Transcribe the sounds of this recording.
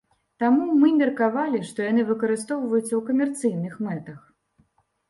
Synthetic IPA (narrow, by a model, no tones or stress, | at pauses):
t̪amumɨmʲɛrkavalʲiʂt̪ɔjanɨvɨkɐɾɨs̬t̪ɔwvɐjut̪sɐwkɐmʲɛrt̪sɨjnɨxmɛt̪ɐx